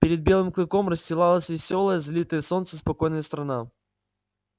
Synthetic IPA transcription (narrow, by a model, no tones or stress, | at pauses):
pʲɪɾʲɪd̪̚bʲe̞lˠɨmklʲˠɨkomrəsʲtʲɪlˠalˠəsʲvʲɪsʲo̞lˠəjəzɐlʲit̪əjəso̞nt̪səspɐko̞jnəjəst̪ɾɐna